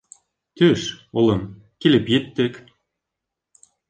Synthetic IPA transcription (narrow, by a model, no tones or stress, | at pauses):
t̪øʃolˠɤ̆m | kelʲɘ̆pet̪ːɘ̆k